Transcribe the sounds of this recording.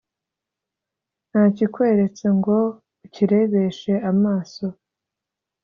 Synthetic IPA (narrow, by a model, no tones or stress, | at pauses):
n̥haːcikweɾe̞t͡seŋɡo̞ | uciɾe̞βe̞ʃe̞ʔamaːso̞